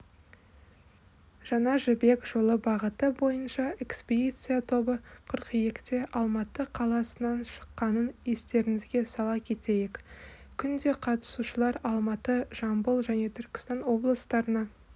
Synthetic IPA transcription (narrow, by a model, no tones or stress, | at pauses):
ʒ̥ɑnɑʒɪbe̞kʒ̥o̞lˠəbɑʁət̪əbo̞jənʃɑe̞kspʲid̪ijt̪sɨjat̪ʰo̞bəqʰʊɾqijekt̪e̞ʔɑlˠmɑt̪əqʰɑlˠɑsənɑnʃə̥qːɑnənje̞st̪e̞ɾɪŋɪzɡʲe̞sɑlˠɑkʲʰe̞t̪e̞jɪk | kʲʰʏnd̪e̞qʰɑt̪ə̥suʃəlˠɑɾɑlˠmɑt̪əʒ̥ɑmbəlˠʒæne̞t̪ʰʏɾkʲɪ̥st̪ɑnwo̞blˠəst̪ɑɾənɑ